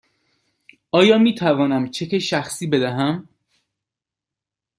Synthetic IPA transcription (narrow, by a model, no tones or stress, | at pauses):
ɒːjɒːmiːt̪ʰævɒːnæmt͡ʃʰekʰeʃæxsiːbe̞d̪æɦæm